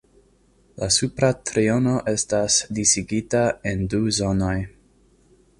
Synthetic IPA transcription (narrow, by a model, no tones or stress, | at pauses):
lasupɾatɾio̞no̞ʔe̞stasdisiɡitae̞nduzo̞no̞j